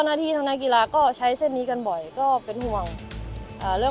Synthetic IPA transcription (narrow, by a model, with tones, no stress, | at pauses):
wnaː˥˩t̪ʰiː˧˩t̪a˧naː˦˥˨ki˧laː˧kɔː˥˩t͡ɕʰa˦˥jse˥˩nːiː˦˥ka˧nbɔ˨˩jkɔː˥˩pe˧nhu˧əŋʔaː˨˩ɾɯ˥˩ə